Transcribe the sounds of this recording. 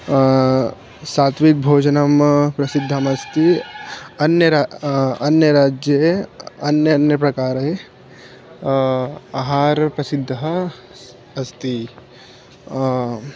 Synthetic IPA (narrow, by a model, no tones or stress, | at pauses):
saːt̪ʰʋik̚bʱoːd͡ʒɐnɐmpɾɐsid̪ʱːɐmɐst̪i | ɐnjɐɾaɐnjɐɾaːd͡ʒjɐɐnjɐnjɐpɾɐkaːɾɐe | aːɦaːɾpɾɐsid̪ʱːɦɐ | ɐst̪i